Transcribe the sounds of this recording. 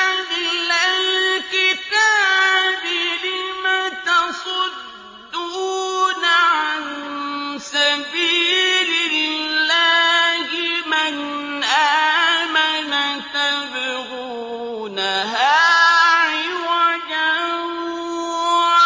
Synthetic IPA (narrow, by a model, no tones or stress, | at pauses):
alɪlalkɪt̪aːbɪlɪmat̪ɑsˤʊd̪ː | uːnaʕan | sabiːlɪlːahɪmɪn | ʔamanat̪abɪɾu | naɦa | ɪwaja